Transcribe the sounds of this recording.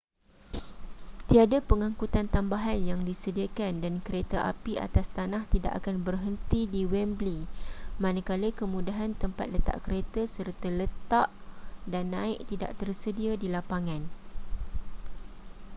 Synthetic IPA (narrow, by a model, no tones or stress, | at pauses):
t̪iadapəŋãŋkut̪ant̪ambaɦanjaŋdisədiakandankəɾet̪aʔa̰piʔa̰t̪ast̪anaht̪ida̰ʔa̰kanbərɦənt̪idiwɛmblimãnakaləkəmũdaɦant̪əmpa̰t̪̚lət̪a̰ʔkəɾet̪asərt̪ələt̪aʔdanːãɪʔ̚t̪ida̰ʔt̪ərsədiadilapaŋãn